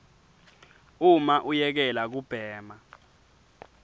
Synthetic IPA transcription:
umaʔujɛk̬ɛlak̬ub̥ʱɛːma

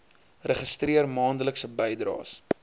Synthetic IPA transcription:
rəχəstriərmɑːndələksəbɛjdrɑ̰ːs

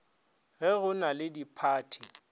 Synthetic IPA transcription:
ɣɪɣʊnalɪdipʰaːtʰi

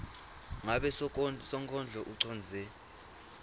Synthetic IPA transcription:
ŋaɓɛsɔŋkʼɔnd͡ɮʱɔʔuǀʰɔnd͡zʱɛ

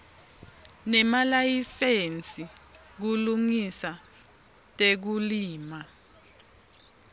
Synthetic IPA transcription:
nɛmalajisent͡sʼi | k̬uluŋisa | tʼek̬uliːma

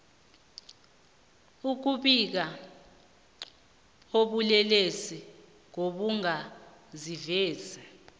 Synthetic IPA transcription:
uk̬uɓik̬a | oɓulɛlesi | ŋoɓuŋa | zivɛːzɛ

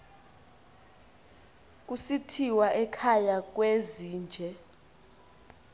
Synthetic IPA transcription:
k̬ʼusitʰiwaʔɛkʰajak̬weziːnd͡ʒʱɛ

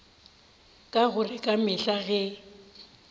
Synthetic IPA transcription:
kʼaɣʊrɪkʼamɪɬaɣɛ

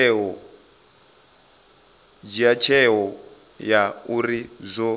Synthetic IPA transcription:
ɦɔ | d͡ʒiat͡ʃʰɛɦɔ | jauɾizʷɔ

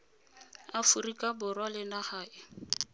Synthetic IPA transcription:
afurikʼabʊrwalɪnahaːɪ

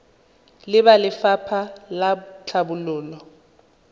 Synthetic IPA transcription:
lɪbalɪfapʰalat͡ɬʰabulʊːlɔ

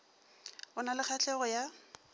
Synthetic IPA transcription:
ʊnalɪk͡xʰat͡ɬɛɣɔja

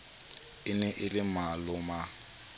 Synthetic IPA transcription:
ɪnɛʔɪlɪmalʊma

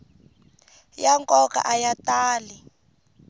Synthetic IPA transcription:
jaŋkʼɔka̰ʔajataːli

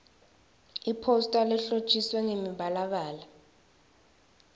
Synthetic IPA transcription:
ipʰostʼalɛɬo̥t͡ʃʼiswɛŋemiɓalaɓaːla

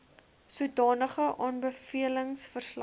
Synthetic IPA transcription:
suədɑːnəχəʔɑːnbəfiələŋsfərsl

